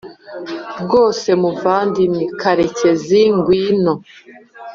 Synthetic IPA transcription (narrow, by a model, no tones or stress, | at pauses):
bɡo̞ːse̞muvaːndinikʰaɾe̞ce̞ziŋɡwiːno